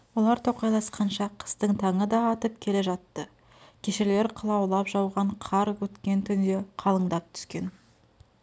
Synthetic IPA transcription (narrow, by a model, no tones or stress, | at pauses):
wo̞lˠɑɾt̪ʰo̞qɑjlˠɑsqɑnʃɑqʰə̥st̪əɴt̪ʰɑɴəd̪ɑːt̪əp̚kʲʰe̞le̞ʒɑt̪ːə | kʲʰe̞ʃɪɾle̞ɾqʰəlˠɑwlˠɑpʒɑwʁɑɴqʰɑɾwɵt̪kʲe̞nt̪ʰʏnd̪e̞qʰɑlˠəɴd̪ɑp̚t̪ʰʏ̥skʲe̞n